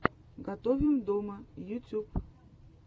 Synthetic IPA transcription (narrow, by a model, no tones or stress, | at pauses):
ɡat̪ovʲɪmd̪omɐjutʲup